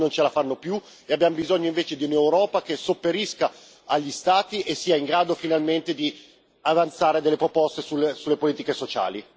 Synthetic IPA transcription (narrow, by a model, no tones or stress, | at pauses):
nont͡ʃelafanːopju | eabjamobizoɲːoiɱveːt͡ʃed̪iunewɾɔːpakesopːeɾiskaː | ʎːist̪aːt̪iʔesːiːaiŋɡɾaːd̪ofinalment̪ed̪i | avant̪saːɾed̪elːepɾopɔst̪esulesulːepoliːt̪ikesot͡ʃa̰ːli